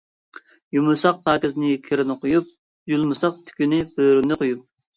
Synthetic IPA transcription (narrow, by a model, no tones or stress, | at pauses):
jumɨsɑq̚pʰɑːkʲɪznɪkʲʰeɾɪnɨqojup̚ | julˠmɨsɑq̚t̪ʰy̥kʲynɪb̥øɾynɪqʰojup̚